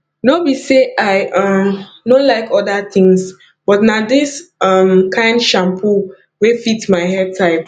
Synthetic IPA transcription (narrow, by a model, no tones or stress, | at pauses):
nobiseʔaɪʌm | nõlaɪkʰɔdat̪ĩŋs | b̥ɔtnadɪsʌmkʰãɪ̃ndʃãmpʰu | wefitmaɪɦɛb̚tʰaɪp